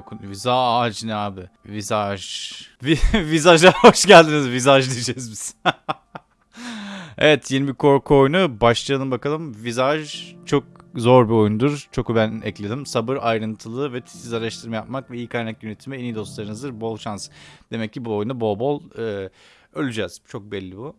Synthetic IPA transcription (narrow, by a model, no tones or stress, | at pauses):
okʰunvizaad͡ʒnaːbɪ | vizaʒvivizaʒlˠahoʃɟælʲd̪inizvizaʒd̪id͡ʒɛzbiz | ḛvɛt̪ʰje̞nibikʰo̞ɾkʰuo̞jnubaʃlˠaalˠɯmbakalˠɯmvizaʒt͡ʃʰo̞k̚zo̞ɾbiojunud̪uɾt͡ʃʰo̞kubænɛ̰clʲe̞d̪imsabɯɾajɾɯnt̪ʰɯlˠɯvɛt̪ʰi̥sizaɾaʃt̪ʰɯɾmajap̚makvɛijikʰajnakjønet̪ʰimɛenijd̪o̞st̪ˠaɾɯnɯzd̪ɯɾbo̞lˠʃansd̪̥e̞mɛcʰːibuo̞junabo̞lˠbo̞lˠɯː | ølʲyd͡ʒɛz̥t͡ʃʰo̞k̚bɛlʲːibu